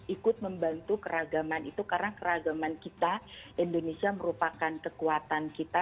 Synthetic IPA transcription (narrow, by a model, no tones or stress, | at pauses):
ʔikʊt̪̚məmbant̪ukəɾaɡamanit̪ukarnakəɾaɡamankit̪aindonesiaməɾupakankəkuat̪ankit̪a